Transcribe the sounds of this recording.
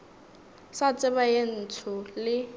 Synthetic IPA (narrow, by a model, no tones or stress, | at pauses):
sat͡sʼɪbajen̩t͡sʰʊlɪ